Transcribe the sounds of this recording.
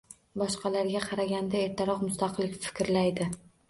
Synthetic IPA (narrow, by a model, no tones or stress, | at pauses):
bɒʃqɑlaɾɡʲaqʰɑɾaɡʲand̪ae̞ɾt̪ʰaɾɒqmʊst̪ɑqʰlˠɪkʲfɪ̥kʲɾlajd̪ɪ